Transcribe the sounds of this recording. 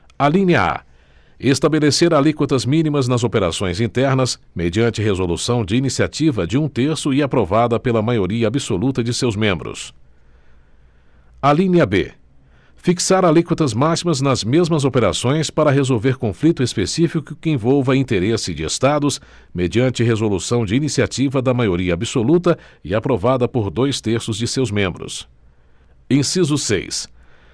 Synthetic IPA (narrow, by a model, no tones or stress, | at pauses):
alĩniɐa̰ | est̪abeleseɾalikwɐt̪ɐzmĩnimɐznɐzopeɾa̰sõj̃zĩnt̪ɛɾnɐs | med͡ʒiɐ̃nt͡ʃɪɦezolṵsɐ̃w̃d͡ʒɪinisiat͡ʃivɐd͡ʒɪũt̪eɾsʊɪapɾovad̪ɐpelɐmajoɾiɐabɪsolut̪ɐd͡ʒɪsewzmẽmbɾʊ̰s | aliniɐbḛ | fiksaɾalikwit̪ɐzmasimɐznɐzmezmɐzopeɾasõj̃spaɾɐɦezowveɾkõflit̪ʊespesifikkʊkɪẽvɔwvɐĩnt̪eɾesɪd͡ʒɪḛst̪ad̪ʊs | med͡ʒiɐ̃nt͡ʃɪɦezolusɐ̃w̃d͡ʒɪinisiat͡ʃivɐd̪ɐmajoɾiɐabɪsolut̪̬ɐɪapɾovad̪ɐpoɾd̪ojst̪eɾsʊzd͡ʒɪsewzmẽmbɾʊ̰s | ẽsizʊsḛjs